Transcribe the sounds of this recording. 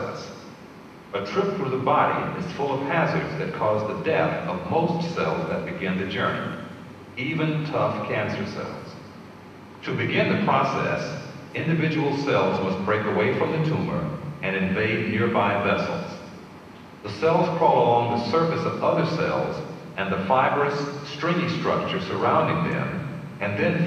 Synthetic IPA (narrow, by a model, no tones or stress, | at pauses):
s | ɨtʰɹ̥ɪpfə˞ðəbɑɾḭɪ̰z̥fʊlˠʌv̥pʰæsə̰˞dzðɨt̚kʰɔzðɨdɛθʌvmoʊstsɛ̰lˠzðɨt̚b̥ɨɡɪ̃nðɨd͡ʒɜ˞nḭ | ivɨ̃ntʰʌfkʰæ̃nsə˞sɛ̰lˠz̥ | tʰɨbɨɡɪ̃nðɨpʰɹ̥ɑsɛ̰sɪ̃ndɨvɪd͡ʒɨwl̩ˠsɛlˠzmʌst̚b̥ɹeɪkəweɪfɹʌ̃mðɨtʰũmə̰˞ʔɨ̃ñɨ̃ɱveɪdⁿnɪɹbaɪvɛsl̩ˠz̥ | ðəsɛlˠz̥pʰɹ̥ɑlˠlɔ̃ŋðəsɜ˞fɨsʌvʌðə˞sɛ̰lˠz | ɨ̃nðɨfaɪbə˞ɨsstɹ̥ɪ̃ŋistɹ̥ʌ̰k̚t͡ʃə˞sə˞ãʊ̃ndɪ̃ŋðɨ̰̃m | ɨ̃nðɨ̃n